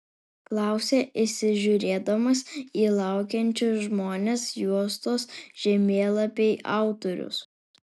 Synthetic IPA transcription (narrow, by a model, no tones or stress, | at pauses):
klˠɑˑʊsʲeːʔɪsʲɪʒʲʊɾʲeːd̪ɐmɐsiːlˠɑˑʊkʲɛnʲt͡ʃʲʊsʒmoːnʲesjuɔst̪oːsʒ̥ʲɛmʲeːlˠɐpʲeɪʔɑ̰ˑʊt̪ɔɾʲʊ̰s